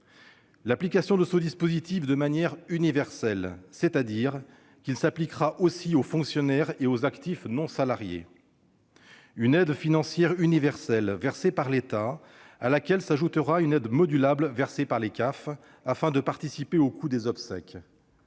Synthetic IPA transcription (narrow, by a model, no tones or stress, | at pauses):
laplikasjɔ̃d̪əsɔd̪ispozit̪ifd̪əmanjɛʁynivɛʁsɛlsɛt̪ad̪iʁ | kʲilsaplikχaʔosiofɔ̃ksjɔnɛʁeozakt̪ifnɔ̃salaʁjḛ | ynɛd̪finɑ̃sjɛʁynivɛʁsɛlvɛʁsepaʁlet̪a | alakʲɛlsaʒut̪əʁaynɛd̪mɔd̪ylablvɛʁsepaʁlekaf | afɛ̃d̪əpaʁt̪isipeokʰud̪ezɔpsɛ̰k